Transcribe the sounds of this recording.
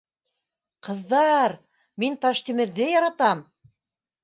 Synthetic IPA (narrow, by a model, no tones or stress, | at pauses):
qɤ̆ðːɑɾ | mint̪ɑʃt̪imɘ̆ɾðɘjɑɾɑt̪ɑm